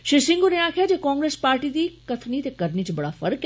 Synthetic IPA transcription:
ʃɪɾsɪ̃ŋɡoneaːkʰjad͡ʒeːkɔ̃ːŋɡɾeːspaːɾʈid̪ikɐt̪ʰnit̪ekɐɾnit͡ʃebɐɽafɐɾk

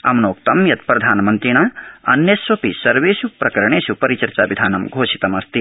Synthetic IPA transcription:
ɐ̰mnoːk̚t̪ɐmjɐt̪̚pɾɐd̪ʱaːnɐmɐnt̪ɾinaːɐ̰njɐsʋɐpisɐɾʋeːʃupɾɐkɐɾɐɳ̃eːʃupɐɾit͡ʃɐɾt͡ʃaːʋid̪ʱaːnɐmɡʱoːʃit̪ɐmɐst̪i

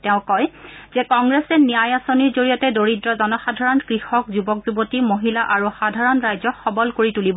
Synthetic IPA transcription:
tɛʊ̃kɔjz̥ɛkɔŋɡɹɛsɛnijajasoniɹzoɹijɔtɛdoɹidɹɔzɔnɔxadʱaɹɔnkɹixɔkzubɔkzubotimoɦilaʔaɹuxadʱaɹɔnɹajzɔxɔbɔlkoɹitulibɔ

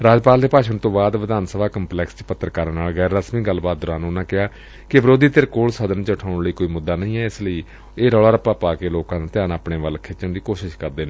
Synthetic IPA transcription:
ɾaːd͡ʒpaːld̪eːpaːʃənt̪õːbaːd̪ʋəd̪aːnsəbaːkəmplɛːkst͡ʃpət̪ːɾəkaːɾanaːlɡɛːɾːəsmĩːɡəlːbaːt̪̚d̪ʊɾãːnːʊnãːkɪɦaː | kɪʋəɾoːd̪iːt̪eɾkoːlsəd̪ənt͡ʃʈʰaːʊɳləiːkoːiːmʊd̪ːaːnə̃ĩːɛːɪsləiː | eːɾɔːɽaːɾəpaːpaːkeːloːkãːd̪aːt̪ɪjaːnaːpɳeːʋəlkʰɪt͡ʃəɳd̪iːkoːʃɪʃkəɾd̪eːnẽː

